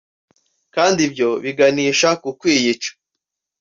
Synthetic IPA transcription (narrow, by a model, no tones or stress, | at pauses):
kaːndibjo̞βiɡaniːʃakukwiːjit͡ʃḁ